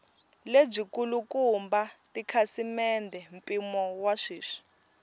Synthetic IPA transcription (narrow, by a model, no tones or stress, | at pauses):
leb͡ʐikulukumbatikʰasimɛndʱɛm̩pʼimɔwaʂiːʂi̥